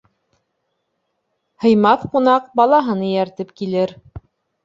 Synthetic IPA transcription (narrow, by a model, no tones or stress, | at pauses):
hɤ̆jmɑθqun̪ɑq̚bɑlˠɑɦɤnɤjæɾt̪ɘpkilɘɾ